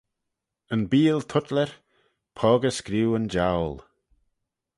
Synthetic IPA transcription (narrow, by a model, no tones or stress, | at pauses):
ənbiːlt̪ʰʊtləɹ | pʰɔːɡəskɾiwənd͡ʒawl